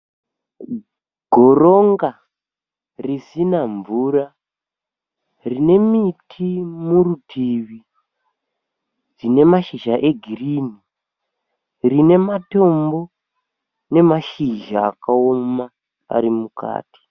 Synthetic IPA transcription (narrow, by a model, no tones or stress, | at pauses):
ɡʱo̞ɾo̞ŋɡa | risinaɱvuːra | rine̞mitʰimurutʰiʋi | d͡zine̞maʃiʒaʔe̞ɡʱiriːni | rine̞mato̞mbo̞ | ne̞maʃiʒaːkaoma | a̰ɾimuka̰ːti̥